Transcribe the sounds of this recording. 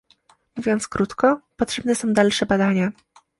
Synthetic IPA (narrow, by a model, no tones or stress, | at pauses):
muvʲjɔnt̪skɾut̪kɔpɔtʂɛbnɛsɔ̃w̃d̪alʂɛbad̪aɲa